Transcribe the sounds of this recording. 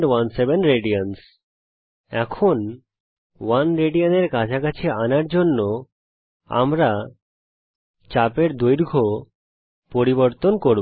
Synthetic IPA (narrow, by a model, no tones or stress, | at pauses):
ɖwansebenɾeɖians | ɛkʰon | wanɾeɖianeɾkad͡ʑʰakat͡ɕʰeanaɾd͡ʑonːo | a̰mɾa | t͡ɕapeɾd̪ojɾɡʱo | poɾiboɾt̪onkoɾb